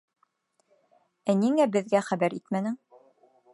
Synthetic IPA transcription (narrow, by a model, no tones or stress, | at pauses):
æniŋæbɘ̆ðɡæχæbæɾit̪mænɘ̆ŋ